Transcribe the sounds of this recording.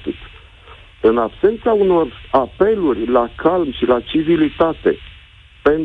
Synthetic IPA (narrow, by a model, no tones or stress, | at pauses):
ik | ɨnabse̞nt̪sauno̞rape̞lurʲlakalmʃilat͡ʃivilit̪at̪e̞̰ | pe̞n